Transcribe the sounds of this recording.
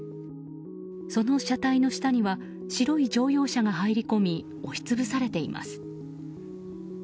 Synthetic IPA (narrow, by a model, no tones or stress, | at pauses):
so̞no̞ɕat̪aino̞ɕi̥t̪aɲ̟iβa | ɕiɾo̞id͡ʑo̞ːjo̞ːɕaɡaɦaiɾʲiko̞mʲi | o̞çi̥t͡sɨbɯsaɾe̞t̪e̞ima̰sɨ̥